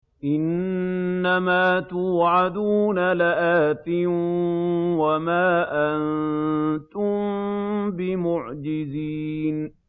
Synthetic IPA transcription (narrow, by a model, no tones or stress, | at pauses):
ʔɪnː | amaːt̪ʊːʕad̪uːnalɪʔaːt̪ɪn | wamaːʔan | t̪ʊmbɪmʊʕd͡ʒɪziːn